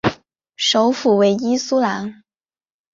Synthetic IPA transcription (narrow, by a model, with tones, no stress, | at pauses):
ʂo˧˥ʊfu˨˩we˧˥ɪi˥su˥la˧˥n